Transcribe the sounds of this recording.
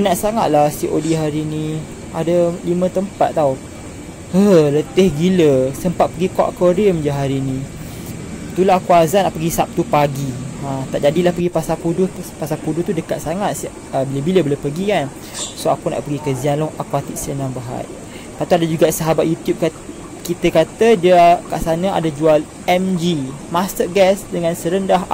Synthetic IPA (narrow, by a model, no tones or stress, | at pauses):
inaʔsaŋa̰t̪̚lasiʔodiɦaɾinĩ | adalimə̃t̪əmpat̪̚t̪ːau | hələt̪ehɡiləsəmpat̪̚pəɡikɔʔkoɾimd͡ʒəɦaɾinĩ | t̪ulaakuazanaʔpəɡisap̚t̪upaɡiat̪aʔd͡ʒadilahpəɡipasapudʊpasapuduht̪udəkat̪̚saŋat̪̚s | əbiləbiləbələpəɡikan | soakuna̰ʔpəɡikəzianlɔŋakwat̪iʔsələnabaɦa̰j | pat̪uadad͡ʒuɡaʔsəɦabat̪̚jut̪jup̚k | kit̪əkat̪ədakaʔsanəa̰dad͡ʒual | ɛmd͡ʒimast̪ərɡɛsdəŋansəɾəndaɦ